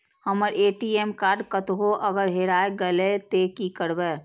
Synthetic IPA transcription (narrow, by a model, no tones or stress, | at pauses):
həməɾʔeːʈiemkaːɾɖkət̪ɦoʔəɡəɾɦeɾaːeɡəlet̪ekikəɾbɛː